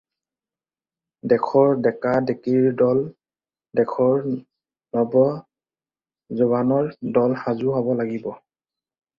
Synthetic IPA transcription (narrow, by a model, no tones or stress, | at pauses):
dɛkʰɔɹdɛkadekiɹdɔl | dɛkʰɔɹ | nɔbɔ | zuβanɔɹdɔlhazuɦabɔlaɡibɔ